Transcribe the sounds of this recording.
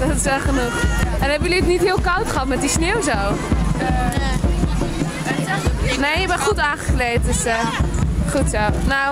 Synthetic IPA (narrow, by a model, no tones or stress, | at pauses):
dɔtɪsɛχənuxɛnɛbəjəliətnitɦɪːlˠkawtχəɦɑtmɛt̚disnewzow | neːəbɛnχutaːχəklejt̚dəsə | χutsownow